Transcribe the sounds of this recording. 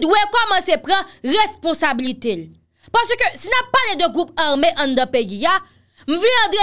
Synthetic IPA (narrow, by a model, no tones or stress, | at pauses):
dwekɔmɐ̃sepʁãʁespɔ̃sabilit̪el | paʁsəkøsinapːaled̪øɡʁup̚aʁmeʔɐ̃nd̪ãpejia | m̩vilãd̪e